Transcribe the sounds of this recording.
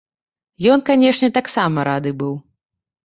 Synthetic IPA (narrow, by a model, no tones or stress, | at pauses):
jɔnkanʲɛʂnʲɛt̪aksamɐɾad̪ɨbɨw